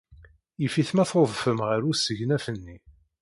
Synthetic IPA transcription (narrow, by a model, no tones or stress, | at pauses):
jifiθmæθoðˤfəmʁəɾusəʝnæfənːi